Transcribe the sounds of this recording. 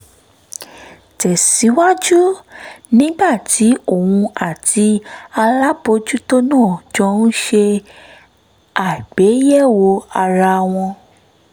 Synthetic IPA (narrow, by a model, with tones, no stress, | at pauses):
tɛ˨si˨˦wa˦d͡ʒu˦nĩ˦ɡ͡ba˦˨tʰi˨˦o˦˨wũ˧a˨tʰi˧a˧la˦bo˧d͡ʒu˦to˦nãː˦˨d͡ʒɔ̃˧˦n̩˦ʃe˧ | a˨ɡ͡be˨˦jɛ˦˨wo˧a˧ɾa˧w̃ɔ̃˧